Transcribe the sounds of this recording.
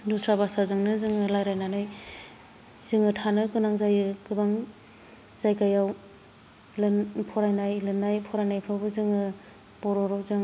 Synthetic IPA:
dusɾabasazɯŋnɯzɯŋɯlajɾajnanɯj | zɯŋɯtʰanɯkɯnaŋzajɯkɯbaŋ | z̥ajkajaw | lpʰɔɾajnajlɯnajpʰɔɾajnajpʰɯwbɯzɯŋɯ | pɔɾɔɾawzɯŋ

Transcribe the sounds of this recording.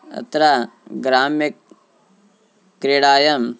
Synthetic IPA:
ɐ̰t̪ɾaɡɾaːmik̚ | ɾeːɽaːjɐm

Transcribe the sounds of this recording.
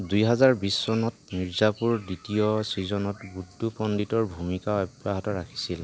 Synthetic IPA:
dujɦɛzaɹbisːɔnɔtniɹzapuɹditiɔsizɔnɔtbudːupɔnditɔɹbʱumikaɛbɹaɦatɔɹakʰi̥sil

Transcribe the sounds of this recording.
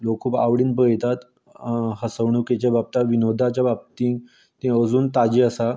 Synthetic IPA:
lokkʰuːpa̰ʋɽiːnpəjt̪at̪ | ɦəsəʋɳ̃uket͡ɕjabap̚t̪aʋinod̪ʱat͡ɕjabab̚t̪ĩː | t̪ẽəd͡zuːnt̪ad͡ʑiːəsa

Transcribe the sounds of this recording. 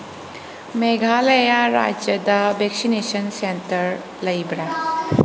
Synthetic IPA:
meɡʱalɐjaɾa̰d͡ʒjɐdɐbeksinesɐnsentɐɾ | lɐjbɾa

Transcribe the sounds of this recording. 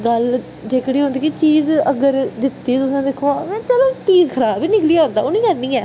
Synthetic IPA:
ɡəl | d͡ʒ̪eːkɽiːɦõːnd̪iːkit͡ʃiːzəɡəɾd̪ɪt̪ːiːt̪ʊsãːd̪ɪkʰoaːmɛ̃ːt͡ʃəloːt͡ʃiːzkʰəɾaːbiːnɪkliːaɦõːnd̪a̰ːoːnĩːkəɾnĩːɛː

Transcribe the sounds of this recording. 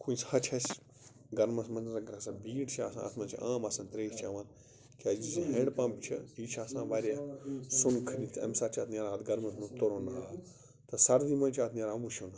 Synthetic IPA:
kʰuːishɐt͡ʃʰɐs | ɡɐɾmɐsmɐnzɾɐkɾɐsãbiːʈt͡ʃʰia̰ːsã̰ɐ̰t̪ʰmɐnt͡ʃʰiʔaːmasɐ̃nt̪ɾeːt͡ʃʰaːʋaːn | kʲaːd͡ʒid͡ʒiɦeːɳɖpãːmpt͡ʃʰɐiːt͡ʃʰaːsãːʋaːɾʲjaːsunkʰɐnit̪ʰɐ̰msaːt͡ʃʰaːt̪ʰnʲaːɾaːt̪d̪ɡɐɾmɐsmut̪oɾonaː | t̪ɐsɐɾd̪iːmɐnt͡ʃʰaːt̪ʰnʲaːɾãmbut͡ʃʰona

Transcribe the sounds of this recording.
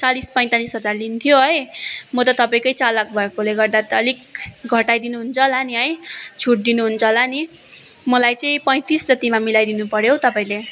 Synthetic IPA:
t͡salispʌj̃t̪alisɦʌd͡zarlint̪ʰjoɦʌjmʌt̪ʌt̪ʌpaĩkʌjt͡salʌk̚bʱʌekoleɡʌrd̪at̪ʌlikɡʱʌʈajd̪inuɦunt͡sʰʌlaniɦʌjt͡sʰuʈ̚d̪inuɦunt͡sʰʌlani | mʌlajt͡sʌĩpʌ̃j̃t̪isd͡zʌt̪imamilajd̪inupʌɾjowt̪ʌpaĩle

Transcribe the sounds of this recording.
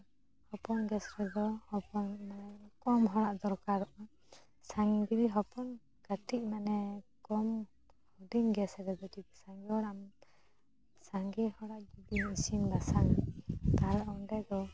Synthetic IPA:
hɔpɔnɡɛsɾɛd̪ɔhɔpɔnmanɛkɔmɦɔɽaʔd̪ɔɾkaɾɔʔa | saŋɡibiɦɔpɔn | ɡ̥atiʔ̚manɛkɔm | hɔdiŋɡɛsɾɛd̪ɔdisaŋɡɛɔɾam | saŋɡɛhɔɽaʔɡidimisinbasaɾt̪aɾɔnɖɛd̪ɔ

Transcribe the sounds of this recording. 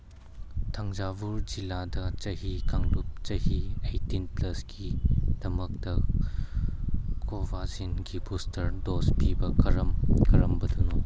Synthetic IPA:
tʰɐŋzabuɾd͡ʒiladɐt͡ʃɐhikaŋlup̚t͡ʃɐhiejtinplɐsɡid̥ɐmɐk̚tɐ | kobʱazinɡibustʰɐɾdospibɐɐɾmkʰɐɾɐmbɐduno

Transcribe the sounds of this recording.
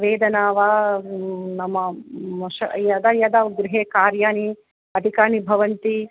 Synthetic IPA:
ʋeːd̪ɐnaːʋa | nɐmɐmɐʃɐjɐd̪ɐjɐd̪aːʋɡɾɪɦeːkaːɾjaːni | ɐd̪ʱikaːɳibʱɐʋɐnt̪i

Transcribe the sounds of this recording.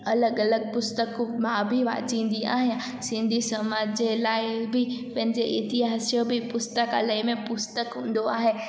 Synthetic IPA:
ɐləɡɐləɡ̚pʊst̪əkmãbʱiʋa̰ːd͡ʑĩːn̆d̪ia̰ːɦijã | sɪ̃nd̪ʱisɐmaːd͡ʑd͡ʑelaːɪbʱɪpɐ̃ɦɪ̃ɲd͡ʑeʔɪt̪iɦaːsijõbʱipʊst̪əkalaɪmẽpʊst̪əkɦũːn̆d̪oaːɦeː

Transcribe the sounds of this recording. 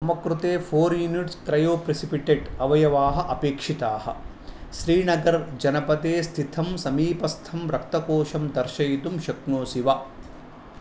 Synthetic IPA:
ɐmɐkɾut̪eːpʰoːɾjuniʈskɾɐjoːpɾesipiʈeɖɐʋɐjɐʋaːɦɐ̆ʔɐpeːkʂit̪aːhɐ̰̆ | ʃɾiːnɐɡɐɾd͡ʒɐnɐpɐt̪eːst̪ʰit̪ʰɐmsɐmiːpɐst̪ʰɐmɾɐk̚t̪ɐkoːʃɐmd̪ɐɾʃɐjt̪umʃɐkɳoːsiʋɐ

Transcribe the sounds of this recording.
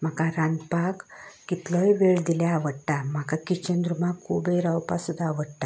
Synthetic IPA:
m̤akaɾãnɡ̪pakkːit̪ləjʋeɭd̪iljaːʋəɽt̪am̤akakit͡ɕənd̪ɾumakʰːubeɾawpasud̪ʱːaːʋəɽt̪a

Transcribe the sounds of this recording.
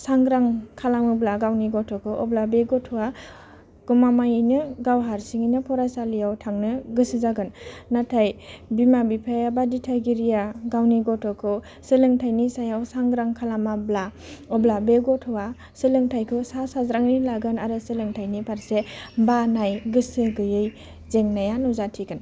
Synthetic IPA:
saŋɡɾaŋkʰalamɯblaɡawniɡɔtʰɔkʰɯʔɔblabeɡɔtʰɔwa | ɡ̥ɔmamajinɯɡawɦaɾsiŋijnɯpʰɔɾasalijawtʰaŋnɯɡɯsɯzaɡɯnːatʰajbimabipʰajabaditʰajɡiɾijaɡawniɡɔtʰɔkʰɯ | sɯlɯŋtʰajnisajawsaŋɡɾaŋkʰalamabla | ɔblabeɡɔtʰɔwa | sɯlɯŋtʰajkʰɯsasazɾaŋnilaɡɯnaɾɯsɯlɯŋtʰajnipʰaɾsebanajɡɯsɯɡɯjɯj | zeŋnajanuzatʰiɡɯn

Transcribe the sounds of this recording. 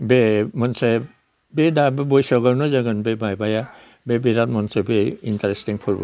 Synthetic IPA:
bemɔnse | bedabbɔjsɔɡaɾnɔzaɡɯnbebajbaja | bebeɾat̚mɔnsebeintaɾestiŋpʰɔɾb̰

